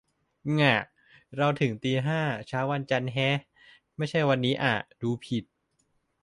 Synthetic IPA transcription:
ŋa˨˩ | ɾa˧wt̪ʰɯ˨˩˦ŋt̪iː˧ɦaː˥˩t͡ɕʰaː˦˥wa˧nt͡ɕa˧nɦɛ˦˥ | ma˥˩jt͡ɕʰa˥˩jwa˧nːiː˦˥ʔa˨˩duː˧pʰi˨˩t̪̚

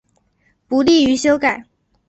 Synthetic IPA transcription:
pu˧˥li˥˩y˧˥ɕjo˥ʊka˨˩˦ɪ

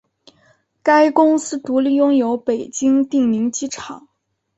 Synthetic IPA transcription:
ka˥ɪkʊ˥ŋsɹ̩˥t̪u˧˥li˥˩jʊ˥ŋjo˧˥ʊpe˨˩ɪt͡ɕi˥ŋt̪i˥˩ŋni˧˥ŋt͡ɕi˥ʈ͡ʂʰɑ˨˩˦

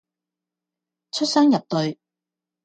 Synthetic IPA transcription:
t͡ʃʰɵ˥t̚sœː˥ŋjɐ˨p̚t̪ɵ˨ɥ

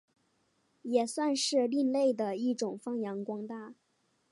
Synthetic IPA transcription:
jɛ˨˩swa˥˧nʂɻ̩˥˧li˥˧nle˥˩ɪd̪ə˩i˥˩ʈ͡ʂʊ˨˩ŋfɑ˥ŋjɑ˧˥ŋkwɑ˥ŋt̪a˥˩

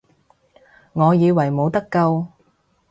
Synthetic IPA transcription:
ŋɔː˨˧jiː˨˧wɐ˨˩jmo˨˧wt̪ɐ˥kːɐ˧w

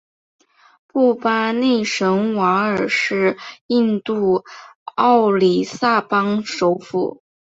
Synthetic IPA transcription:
pu˥˩pa˥ne˥˩ɪʂɤ˧˥ŋwa˧˥ə˞˨˩ʂɻ̩˥˧i˥˧nt̪u˥˧ | ɑ˥˩ʊli˨˩sa˥˩pɑ˥ŋʂo˧˥ʊfṵ˨˩˦

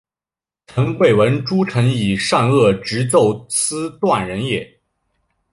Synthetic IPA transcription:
t͡sʰɤ˧˥ŋwe˥˩ɪwə˧˥nʈ͡ʂu˥ʈ͡ʂʰɤ˧˥ŋi˨˩ʂa˥˧nɤ˥˩ʈ͡ʂɻ̩˧˥t͡so˥˧ʊt͡s̩ʰ˥t̪wa˥˩nɻə˧˥njɛ˨˩˦

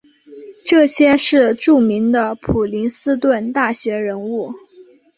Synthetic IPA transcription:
ʈ͡ʂɤ˥˩ɕjɛ˥ʂɻ̩˥˧ʈ͡ʂu˥˩mi˧˥ŋd̪ə˧pʰu˨˩li˧˥nsɹ̩˥t̪wə˥˧nt̪a˥˩ɕɥɛ˧˥ɻə˧˥nu˥˩

